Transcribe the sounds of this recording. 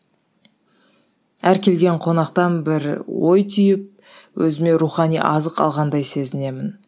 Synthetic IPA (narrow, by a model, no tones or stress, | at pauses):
æɾkʲʰe̞lɡʲe̞ɴqʰo̞nɑqt̪ɑnbɪɾwo̞jt̪ʰʏjɪp̚ | wʔɵzɪme̞ɾuχɑnijʔɑzəqɑ̰lˠʁɑnd̪ɑjse̞zɪne̞mɪn